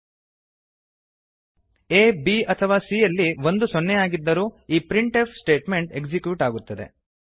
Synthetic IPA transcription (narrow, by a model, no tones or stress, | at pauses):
eːbiɐt̪ʰɐʋaːsijɐlːiʋo̞nd̪usɔnːɛjaːɡid̪ːɐɾuːiːpɾiɳʈepʰsʈe̞ːʈme̞ɳʈe̞ɡd͡ʒikjuʈaːɡut̪ːɐd̪ḛ